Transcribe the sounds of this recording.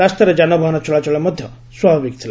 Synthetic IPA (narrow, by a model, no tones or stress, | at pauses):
ast̪ɔɾed͡ʒanɔbʱaɦɔnɔt͡ʃɔɭat͡ʃɔɭɔmɔd̪ʱjɔ | swabʱabik̚t̪ʰil